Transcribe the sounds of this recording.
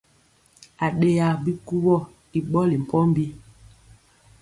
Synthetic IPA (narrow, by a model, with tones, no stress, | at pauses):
a˨ɗe˦ja˨bi˦ku˦wɔ˦˨ | i˨ɓɔ˦li˨m̩˨pɔ˦m˦bi˦